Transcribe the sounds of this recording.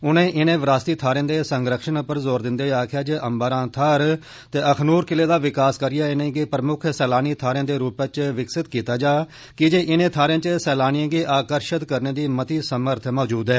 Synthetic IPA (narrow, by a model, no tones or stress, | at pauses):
ʊnẽːʔɪnẽːʋɾaːst̪iːt̪ʰaːɾẽːd̪eːsəŋɡɾəkʃənpəɾzoːɾd̪ɪnd̪eːaːkʰɪjaːd͡ʒeːʔəmbəɾãːt̪ʰaːɾ | t̪eːʔəkʰnuːɾkɪleːd̪aːʋɪkaːskəɾɪjaːɪnẽːɡeːpɾəmʊkʰsɛːlaːniːt̪ʰaːɾj̃ãːd̪eːɾuːpət͡ʃʋɪksɪt̪kiːt̪aːd͡ʒaː | kɪd͡ʒeːʔɪnẽːt̪ʰaːɾjãːt͡ʃsɛːlaːnijãːɡeːʔaːkəɾʃət̪kəɾneːd̪iːmət̪iːsəməɾt̪ʰmɔːd͡ʒuːd̪ɦɛː